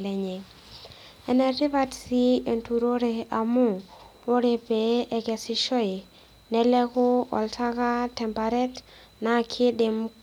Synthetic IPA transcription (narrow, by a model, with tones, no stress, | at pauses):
lɛ˨ɲe˨ | ɛ˨nɛ˨tɪ˦va˦tsi˦e˨ntu˨ɾo˦ɾe˨a˨mʊ˦ | o˦ɾe˨pe˨ɛ˦ɡɛ˨sɪ˦ʃɔ˦ɪ˨ | nɛ˦lɛ˦kʊ˦ɔ̰˨lta˦ka˦tɛ˨mpa˨ɾɛ˦t | na˦˨kʰɪ˦dɪ˨m